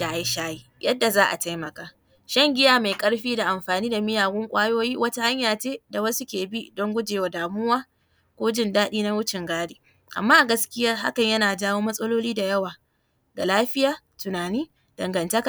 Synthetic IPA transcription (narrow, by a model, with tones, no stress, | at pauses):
a˦˨ji˦ʃaː˦ji˨jɐ˦dːa˨zaː˦ʔa̰˨ta˦jmɐ˨kaː˨ | ʃɐ˦ŋɡʲɪ˦jaː˨ma˨jkʼɐ˦ɽɸiː˦da˨ʔa˨mɸaː˨niː˦da˨mɪ˦jaː˨ɡʊ˦ŋkʷʼaː˦joː˦jiː˦wɐ˦ta˦ha˦ɲjaː˨t͡ʃeː˦da˨wɐ˦su˦kʲeː˨bi˦dɔ˦ŋɡʷʊ˦d͡ʒeː˨wa˨daː˨mʊ˦waː˦ | kʷoː˦d͡ʒɪ˦ndaː˦ɗiː˦na˦wʊ˦t͡ʃɪ˨ŋɡaː˦deː˨ | ʔa̰˨mːaː˦ʔa˨ɡɐ˦skʲɪ˦jɐ˦ɦa̰˦kɐ˨ɲjɐ˦naː˨daː˦woː˦mɐ˦sʼɐ˦loː˦liː˦da˨jɐ˦waː˨ | ɡa˨laː˦ɸɪ˦jaː˨ | tʊ˨naː˨niː˦ | d̥ɐ˨ŋɡɐ˨ntɐ˦ka˨